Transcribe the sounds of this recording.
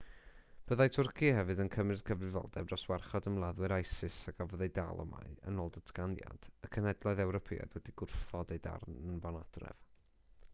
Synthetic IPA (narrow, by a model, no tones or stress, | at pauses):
b̥əðajtʰʊrkʰihɛvɨdənkʰəmrɨd̥kʰəvrɨvɔ̰lˠdɛ̰b̚ɔswarχɔdəmlˠaðwɨɾajsɪsaɡavɔðejda̰lˠɔ̰ma̰ɨə̰noːlˠdətʰɡanja̰d̥əkʰənɛdlˠaɨðɛwɾɔpʰḭːa̰dwɛdiɡʊrθθɔdejda̰rnvɔnad̥rɛ̰v̥